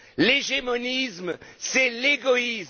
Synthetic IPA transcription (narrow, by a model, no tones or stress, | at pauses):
leʒemɔnismsɛleɡɔis